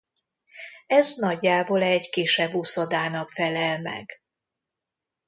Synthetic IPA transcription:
ɛznɒɟːaːbolɛɟkeːʃɛbːuso̞d̪aːnɒkfɛlɛlmɛ̰ɡ̥

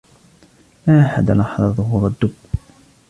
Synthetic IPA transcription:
maːʔaħad̪alɑħðˤɑðˤʊɦuːɾˤad̪ːʊb

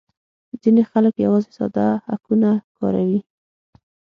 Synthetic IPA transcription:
zinexaləkja̰wɑzesɑ̰d̪aha̰kunakɑ̰ɾawi

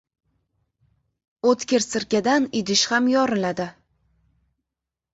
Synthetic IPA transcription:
ot̪kʲeɾsɪɾkʲad̪anɪd̪ɪʃhamjɒɾɪlad̪ɪ

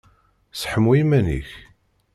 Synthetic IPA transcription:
sħəmimænḭç

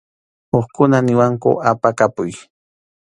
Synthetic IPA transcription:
oχkʊnanɪwaŋkʊ̰ʔapakapʊj

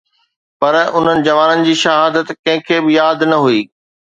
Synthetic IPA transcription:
pɐɾʊn̤ənɪ̆d͡ʑɐʋaːnənɪ̆d͡ʑiːʃɐɦaːd̪ət̪kɐ̃ɦɪ̃kʰeːbɪjaːd̪nɐɦuiː

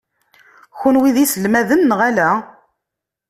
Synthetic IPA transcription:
çʊnwiðisəlmæðənːʁælæ

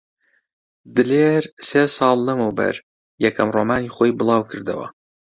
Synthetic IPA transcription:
d̪ɨleːɾseːsɑːlˠːɐmɐwbɐ̰ɾ | jɛkʰɐmroːmaːniːχoːjbɨlˠɑːwkʰɨɾd̪ɐ̰wɐ̰

